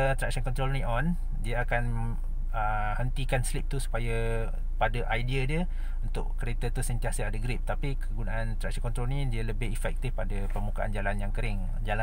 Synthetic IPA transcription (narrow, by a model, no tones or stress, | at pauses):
t̪ɾɛk̚sənkɔnt̪ɾolnĩʔɔn | diəakan | ə | hənt̪ikanslip̚t̪usu̥paja | padaʔajdiadiə | unt̪ʊ̰ʔkəɾet̪ət̪usənt̪iasəadaɡɾɪp̚t̪apikʰəɡunaant̪ɾɛksənkɔnt̪ɾolnĩdiələbɪɦifɛk̚t̪ɪfpadapərmukaʔa̰nd͡ʒalanjaŋkəɾɪŋ | d͡ʒala